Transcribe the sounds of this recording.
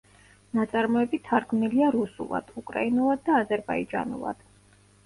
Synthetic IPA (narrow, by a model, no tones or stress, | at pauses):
nat̪sʼaɾmɔɛbit̪ʰːaɾɡmniliaɾusṵlˠa̰d̪̥ukʼɾa̰inulˠad̪̚ːaːzɛɾba̰id͡ʒʼa̰nṵlˠa̰d̪̥